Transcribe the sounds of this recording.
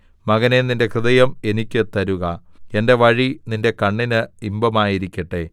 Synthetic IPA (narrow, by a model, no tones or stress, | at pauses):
mɐɣɐneninde̞krɨðɐjɐme̞nikʲːɨt̪ːɐɾuɣɐe̞nde̞ʋɐɻininde̞kɐɳːinɨimbɐmaːjiɾikʲːɐʈːe̞